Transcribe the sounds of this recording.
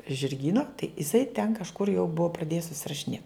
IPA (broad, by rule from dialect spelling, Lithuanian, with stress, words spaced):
ʒʲɪrʲˈɡʲiːnɐ tɐɪ ɪˈsɐɪ tʲɛn kɐʃˈkʊr jɛʊ ˈbʊɐ prɐˈdʲeːjɛs sʊsʲɪrɐʃʲɪˈnʲeːt